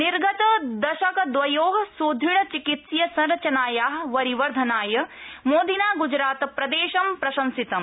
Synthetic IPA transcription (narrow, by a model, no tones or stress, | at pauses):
niɾɡɐt̪ɐd̪ɐʃɐkɐd̪ʋɐjoːɦɐsoːd̪ʱiɳ̃ɐt͡ʃikit̪sjɐsɐ̃nɾɐt͡ʃɐnaːjaːɦʋɐɾiʋɐɾd̪ʱɐnaːjɐmoːd̪ʱinaːɡud͡ʒɾaːt̪pɾɐd̪eːʃɐmpɾɐʃɐmsit̪ɐm